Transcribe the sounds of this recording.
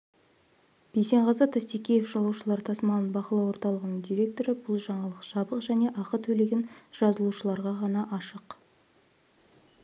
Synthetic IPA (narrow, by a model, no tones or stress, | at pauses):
b̥ejse̞ɴʁɑzɑt̪ʰæst̪ekʲejefʒɑlˠuwʃəlˠɑɾt̪ʰɑsmɑnənbɑqəlˠɑwo̞ɾt̪ɑlˠəʁənəɴd̪ijɾʲe̞k̚t̪o̞ɾəbʊlˠʒɑɴɑlˠəqʃɑbəqʒæne̞ʔɑqət̪ʰɵle̞ɡʲenʒ̥ɑzəlˠuʃəlˠɑɾʁɑʁɑnɑʔɑʃəq